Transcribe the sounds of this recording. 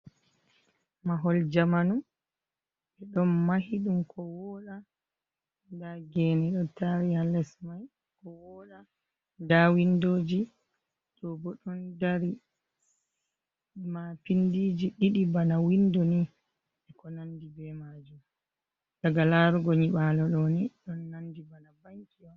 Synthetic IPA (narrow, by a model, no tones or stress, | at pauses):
maɦɔld͡ʒamanum | ɓɛɗɔnmahiɗumkʰɔwɔɗa | daɡɛnɛɗɔtaɾihalɛsmaj | kɔwɔɗa | dawindoːd͡ʒi | tɔbɔɗɔndaɾi | mapindiːd͡ʒiɗiɗibanawindɔni | ɛkɔnandibɛmad͡ʒum | daɡalaɾuɡɔɲiɓalɔɗɔniɗɔnːandibanabaŋkijɔ